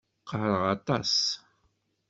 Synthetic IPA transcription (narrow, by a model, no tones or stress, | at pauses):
qʰəhɾəʁɑt̪ˤɑs